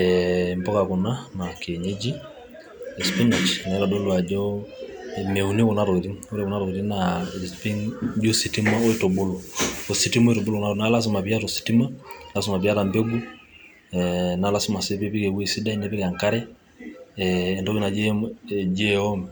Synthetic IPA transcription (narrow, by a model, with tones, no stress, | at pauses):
ɛmpɔ˦ka˨ko˨na˦ma˨ke˨ɲe˦d͡ʒi˦ | ɛspi˦na˨t͡ʃna˨ɛ˦la˨do˦lwa˨d͡ʒɔ | me˨u˨ne˦o˨na˦ɾɔ˨ke˨ɾi˦o˦ɾe˨ko˨na˦ɾo˨ke˨ɾi˦naspi˦ŋd͡ʒo˦si˨ti˦ma˦o˦e˦to˨bo˦lɔo˨si˨ti˦mɔ˦e˦to˨bo˦lo˦na˦na˦la˦s̬u˨ma˨pja˦to˨si̥˨ti˦ma˦la˦su˨ma˨pja˦ta˨mbɛ˦ɡu˦ | na˨la˦su˦ma˨se˦pe˦pi˦kɛ˨we˦si˦da˦i˦ne˦pe˦ka˨ŋka˦ɾɛ˦ | ndɔ˦ki˦na˨d͡ʒɛd͡ʒɛɔ˦m